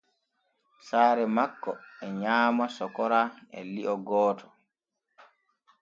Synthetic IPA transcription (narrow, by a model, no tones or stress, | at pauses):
saːɾɛmakːɔɛɲaːmasɔkɔɾaɛ̰liʔɔɡɔːtʰɔ̥